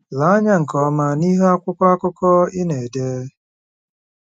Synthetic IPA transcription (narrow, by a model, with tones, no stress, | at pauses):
la˨˦ɲa˦ŋ̩˨kɔ˨˦ma˨ni˦ɦe˦a˦kʷʊ˦kʷa˦kʊ˦kɔ˦ɪ˦ne˨deː˦